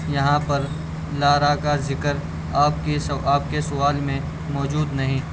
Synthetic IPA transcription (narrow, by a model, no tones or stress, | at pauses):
jɐɦãpɐɾ | laːɾakazɪkəɾ | aːp̚kesaːp̚kesʊʋaːlmẽ | mɔːd͡ʒuːd̪nɐɦĩ